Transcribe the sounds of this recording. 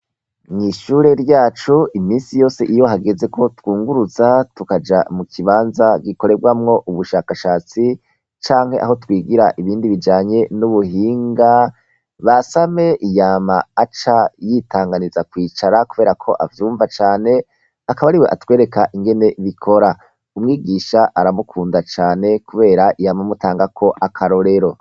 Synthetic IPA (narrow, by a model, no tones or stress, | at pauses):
ŋiʃuːɾe̞ɾɟaːt͡ʃuimiːnsijo̞ːse̞ʔijo̞ɦaɡe̞ze̞kʰo̞twuːŋɡuɾuzatukad͡ʒa̰mukʰiβaːnzaɡiko̞ɾe̞bɡwamŋo̞ʔuβuʃaːkaʃaːt͡si | t͡ʃaːŋ̥he̞ʔa̰ɦo̞twiːɡiɾaʔiβiːndiβid͡ʒaːɲe̞nuβuɦiːŋɡa | βasame̞ʔijamaːt͡ʃajitaːŋɡanizakwiːt͡ʃaɾakuβe̞ːɾakʰo̞ʔavjuːɱvat͡ʃaːne̞ | akaβaɾiweʔatwe̞ːɾe̞kaʔiŋɡe̞ne̞βikʰo̞ɾa | umŋiːɡiːʃaʔaɾamukʰuːndat͡ʃaːne̞kuβe̞ːɾaʔijamamutaːŋɡakʰo̞ʔakʰaɾo̞ɾe̞ɾo̞